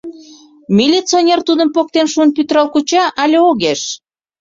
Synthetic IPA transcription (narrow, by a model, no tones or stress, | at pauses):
mʲilʲit͡sionʲert̪ud̪əmpok̚t̪enʃuənpyt̪ɾɑlkut͡ɕɑʔɑlʲeoɣeʃ